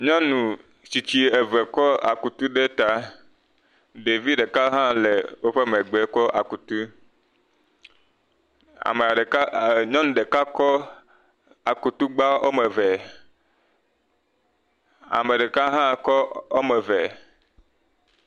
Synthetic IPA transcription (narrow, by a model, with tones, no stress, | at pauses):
ɲɔ̃˦nũ˨ | si˨t͡ɕi˦e˨vɛ˨kɔ˦a̰˨ku˨t̪u˦ɖe˦t̪a˦ | ɖe˨vi˦ɖe˨ka˦ɦã˦le˨wo˦ɸe˦me˨ɡ͡be˨kɔ˦ʔa̰˨ku˨t̪u˦ | a̰˨me˨a˨˦ɲɔ̃˦nũ˨ɖe˨ka˦kɔ˦ | a˨ku˨t̪u˦ɡ͡ba˦o̰˦me˨vɛ˨ | a̰˨me˨ɖe˨ka˦ɦã˦kɔ˦o˦me˨vɛ˨